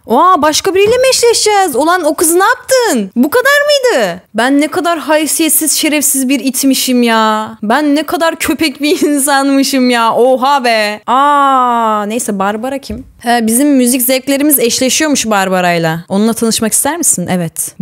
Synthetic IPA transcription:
oabaʃkabiɾijlʲɛmɛʃlʲɛʃd͡ʒɛːzo̞lˠano̞kɯzɯnaap̚t̪ʰɯnbukad̪aɾmɯjd̪ɯbænːɛkʰad̪aɾɦajifsijet̪siz̥ʃe̞ɾɛfsizbiɾit̪ʰmiʃimjaːbænːɛkʰad̪aɾcʰø̞pʰɛcbiiins̬anmɯʃɯmjaːʔoɦaːbɛaː | ne̞jsɛbaɾbaɾacʰim | ɛbizimːyzic̬zɛvclʲe̞ɾimizɛʃlʲeʃijo̞muʃbaɾbaɾajlˠao̞nunˠat̪ʰanɯʃmaki̥st̪æɾmisinʔɛvɛt̪

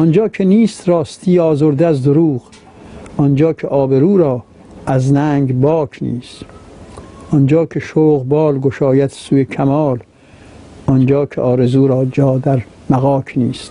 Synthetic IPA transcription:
ʔɔnd͡ʒɒːkʰeniːst̪ɾɒːst̪ʰiːɒːzoɾd̪eæzd̪oɾuːɣ | ʔɔnd͡ʒɒːkʰeʔɒːbeɾuːɾɒː | æznæːŋɡbɒːkʰnḭːst̪ | ʔɔnd͡ʒɒːkʰeʃoːɣbɒːlɡoʃɒːjæt̪ʰsuːjekʰæmɒːl | ɔnd͡ʒɒːkʰeʔɒːɾe̞zuːɾɒːd͡ʒɒːd̪æɾ | mæɣɒːkʰniːst̪

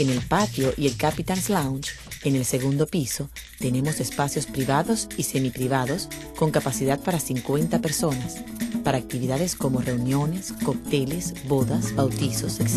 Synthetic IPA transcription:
enelpat̪joʔielkapit̪anslawnt͡ʃ | ene̞lse̞ɣund̪o̞piso̞ | t̪e̞ne̞mo̞sespasjo̞spɾiβaðosisemipɾiβaðo̞s | ko̞ŋkapasiðað̚paɾasiŋkwe̞nt̪apeɾso̞naspaɾaːk̚t̪iβiðaðesko̞mo̞re̞unjo̞neskok̚t̪elesboðasbawt̪isos

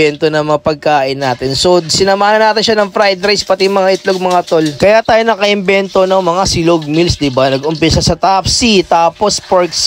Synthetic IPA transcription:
ɛnt̪onɐŋmɐŋapɐɡ̚kaːʔɪnːaːt̪ɪnsosɪnɐmaːhnɐnaːt̪ɪnʃanɐŋfɾajd̪ɾajspɐt̪imɐŋaʔɪt̪loɡ̚mɐŋat̪olkɐjat̪aːjo̞nɐkɐʔɪmbɛnt̪onɐŋmɐŋasɪloɡ̚milsd̪ɪbanɐɡʔʊmpɪsɐsɐt̪apsit̪aːpo̞spaɹks

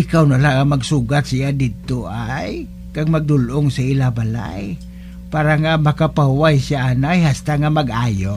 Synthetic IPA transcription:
ʔɪkawnalaʔŋamaɡsuːɡat̪̚sijad̪ɪd̪̚t̪ʊʔaj | kaɡ̚maɡ̚d̪ʊlʔʊŋsaɪlabala̰j | paːɾaŋamakapahuwajsjaʔanajɦast̪aŋamaɡʔaːjoʔ

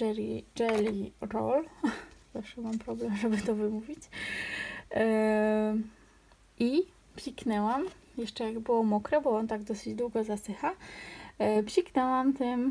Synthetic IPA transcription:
ɛɾid͡ʒɛlʲiɾɔ̰lzafʂɛmampɾɔblɛmʐɛbɘt̪ɔvɘmuvʲit͡ɕ | ʔi | pʲlʲiknɛwam | jɛʂt͡ʂɛjaɡbɘwɔmɔkɾɛbɔɔnt̪aɡd̪ɔsɘd͡ʑd̪wuɡɔzasɘxa | pɕiknɛwamt̪ɘm

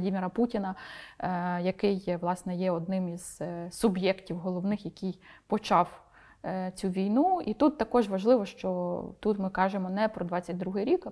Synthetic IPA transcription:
dʲimʲiɾɐputʲinɐ | jɐkɪjʋlˠɑsnɛjɛɔd̪̚nɪmiz̥sʊbjɛktʲiwɦɔlˠɔʋnɪxjɐkɪjpɔt͡ʃɑw | t͡sʲuʋʲijnuit̪ut̪ːɐkɔʒʋɐʒlˠɪʋɔʃt͡ʃɔt̪ut̪mɪkɑʒemɔnɛpɾɔd̪ʋɑt͡sʲːɐt̚ʲd̪ɾuɦɪɾʲik

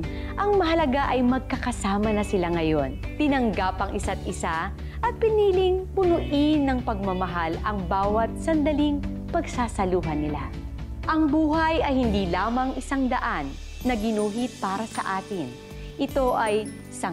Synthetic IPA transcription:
ʔɐŋmɐɦɐlɐɡaʔɐjmɐɡ̚kɐkɐsaːmɐnɐsɪlaŋɐjo̞nt̪ɪnɐŋɡapɐŋʔɪsat̪̚ʔɪsa | ʔɐt̪̚pɪniːlɪŋpʊnʊʔɪnːɐŋpɐɡ̚mɐmɐɦalɐŋbaːwɐt̪̚sɐnd̪ɐliŋ | pɐɡsaːsɐluːɦɐnɪla̰ | ʔɐŋbuːhɐjɐjhɪnd̪iːlaːmɐŋʔɪsaŋd̪ɐʔanː | ɐɡɪnuːɦit̪̚paːɾɐsɐʔaːt̪ɪn | ʔɪt̪o̞ʔɐj | sɐ

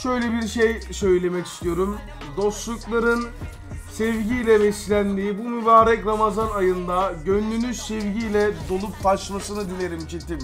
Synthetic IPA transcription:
ʃø̞jlʲɛbiɾʃejsø̞jlʲe̞mɛci̥st̪ʰijo̞ɾum | d̪o̞st̪lˠuklˠaɾɯn | sɛvɟijlʲɛbɛslʲænd̪iːbumybaːɾɛcɾamazanajɯnd̪aɟønːynyz̥sɛvɟijlʲɛd̪o̞lˠup̚baʃmasɯnɯd̪ine̞ɾimt͡ʃʰit̪ʰim

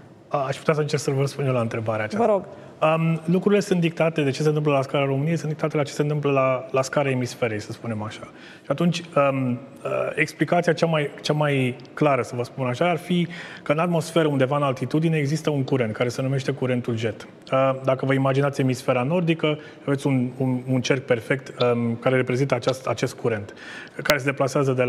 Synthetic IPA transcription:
əaʃput̪eas̬əɨnt͡ʃe̞ɾɡsəvəəspunjelaɨnt̪ɾe̞baɾeat͡ʃavəɾoɡ | əmlukɾuɾile̞sunt̪d̪ik̚t̪at̪e̞d̪et͡ʃe̞se̞nt̪ɨmpləlaskaɾeaɾo̞mɨniesɨnd̪ikt̪at̪e̞lat͡ʃese̞nt̪ɨmp̬ləlalaskaɾeaemisfe̞ɾejsəspune̞maʃḁ | ʃiat̪unt͡ʃʲəməe̞ksplikat̪sijat͡ʃamajt͡ʃamaj | klaɾəsəvəspunaʃaːrfikəɨnat̪mo̞sfe̞ɾəund̪e̞vaɨnalt̪it̪ud̪ineːɡzist̪əuŋkuɾe̞nt̪̚kaɾe̞se̞nume̞ʃt̪e̞kuɾe̞nt̪ulʒe̞t̪ | əd̪akəvəimad͡ʒinat̪sʲe̞misfe̞ɾano̞rd̪ikə | ʃavet̪sʲunununt͡ʃe̞rk̚pe̞rfe̞kt̪əkaɾe̞ɾe̞pɾe̞zint̪əat͡ʃast̪a̰t͡ʃe̞st̪̚kuɾe̞nt̪ | kaɾe̞s̬ed̪e̞plaseazəd̪e

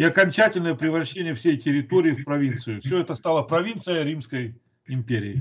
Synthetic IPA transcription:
ɪɐkɐnʲt͡ɕætʲɪlʲnəjəpɾʲɪvɾɐɕːenʲɪjəfsʲejtʲɪɾʲɪt̪oɾʲɪːfpɾɐvʲint̪sɨjʊfsʲɵɛt̪əst̪alˠəpɾɐvʲint̪sɨjəɾʲimskəj | ɪmʲpʲeɾʲɪ̰ː

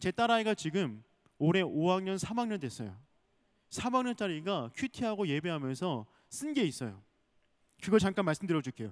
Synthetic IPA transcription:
t͡ɕe̞t͈aɾaiɡat͡ɕiɡɯm | oɾe̞owaŋɲʌnsʰamaŋɲʌndwe̞s͈ʌ̰jo | sʰamaŋɲʌnt͡ɕ͈aɾiɡakʰɥitʰiɦaɡoje̞be̞ɦamjʌnsʰʌ | s͈ɯnɡe̞is͈ʌ̰jo̰ | kɯɡʌt͡ɕaŋk͈anmaɭs͈ɯmdɯɾjʌd͡ʑukʰejo

